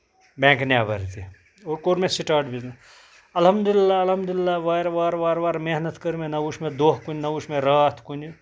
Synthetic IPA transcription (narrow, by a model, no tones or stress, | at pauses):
bẽːŋknjaːbɐ̰ɾt̪ʰi | oːɾkoːɾmẽsiʈaːɖbizna | ɐlɦɐmd̪ʊlɪlːaɐlɦɐmd̪ʊlɪlːaːʋaːɾʋaːɾʋaːɾʋaːɾmeɦnət̪kəɾmẽnɐʋuʃmẽd̪oːɦkunnɐʋuʃmẽɾaːt̪ʰkuni